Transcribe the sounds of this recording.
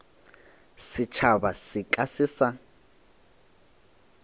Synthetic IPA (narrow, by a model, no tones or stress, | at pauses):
sit͡ʃʰaβasikʼasɪːsa